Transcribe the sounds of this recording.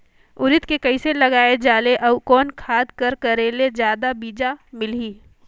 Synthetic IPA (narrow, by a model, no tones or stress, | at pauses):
ʊɾɪt̪kekɐiselɐɡaːed͡ʒaːleʔɐbkɔːnkʰaːd̪kɐɾkɐɾeːled͡ʒjaːd̪abiːd͡ʒamɪliː